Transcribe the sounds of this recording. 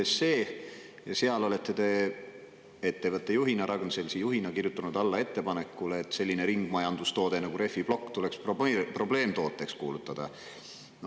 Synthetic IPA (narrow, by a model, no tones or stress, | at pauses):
ese̞ː | jɑseɑlo̞le̞t̪ːˑe̞d̪̥e̞ | et̪ːevɤt̪ːˑejuɦinɑɾʔɑɡnse̞lsejuɦinɑkirjut̪ːˑunud̪ɑlːɑe̞t̪ːe̞pɑne̞kːˑulet̪se̞lʲːineɾiŋɡ̥mɑjɑnd̪ust̪o̞ːd̪̥e̞nɑɡ̥uɾe̞fːib̥lo̞kːt̪ule̞kspopro̞ble̞ːmt̪o̞ːt̪ːˑe̞kskṵːlut̪ːˑɑd̪̥ɑ